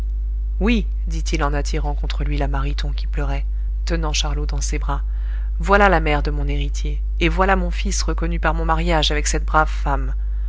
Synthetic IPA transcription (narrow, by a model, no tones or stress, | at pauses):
wi | d̪it̪ilɑ̃nat̪ʰiʁɑ̃kɔ̃t̪χəlɥilamaʁit̪ɔ̃kʲi̥plœʁɛ | t̪ənɑ̃ʃaʁlod̪ɑ̃sebʁa | vwalalamɛʁd̪əmɔ̃neʁit̪jeː | vwalamɔ̃fisʁəkɔnypaʁmɔ̃maʁjaʒavɛksɛt̪̚bʁavfam